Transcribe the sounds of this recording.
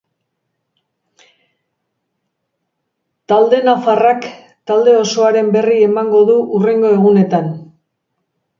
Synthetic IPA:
t̪ald̪e̞nafarak | t̪ald̪e̞o̞so̞aɾe̞mbe̞rie̞maŋɡo̞ðuʔure̞ŋɡo̞e̞ɣune̞t̪an

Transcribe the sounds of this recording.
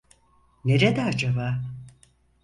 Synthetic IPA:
ne̞ɾed̪ɛad͡ʒaba

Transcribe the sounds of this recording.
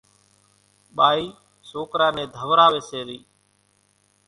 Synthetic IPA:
ɓaːiː | soːkɾãːnẽːd̪ʱəʋɾaːʋeːseːɾiː

